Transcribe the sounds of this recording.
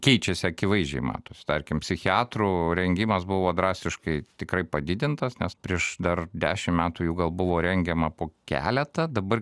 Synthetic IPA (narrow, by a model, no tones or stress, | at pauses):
kʲɛɪt͡ʃʲɛsʲɪɐkʲɪʋɐɪzd͡ʒʲɛ̰ɪmɑ̰ːt̪usʲt̪ɐɾʲkʲɪmpʲsʲɪxʲɪɑːt̪ɾuːɾʲɛŋʲɡʲɪmɐsbʊʋoːd̪ɾɑːsʲt̪ʲɪʃkɐɪt̪ʲɪkɾɐɪpɐd̪ʲɪd̪ʲɪnt̪ɐsnʲɛspʲɾʲiɛʃd̪ɐrd̪ʲæːʃʲɪmmʲæːt̪uːjuːɡɐlˠbʊʋoːɾʲɛŋʲɡʲɛmɐpoːkʲæ̰ːlʲɛt̪ɐd̪ɐbɐr